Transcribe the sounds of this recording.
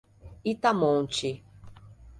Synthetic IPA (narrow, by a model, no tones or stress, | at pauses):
it̪amõnt͡ʃi